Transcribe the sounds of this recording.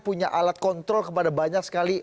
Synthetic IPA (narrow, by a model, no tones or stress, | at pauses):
puɲaʔalat̪̚kɔnt̪ɾɔlkəpadabaɲak̚sə̥kali